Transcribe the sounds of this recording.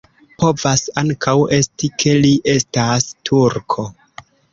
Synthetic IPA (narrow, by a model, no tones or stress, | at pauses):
po̞vasaŋkʰawe̞stikʰe̞liʔe̞stastʰuɾkʰo̞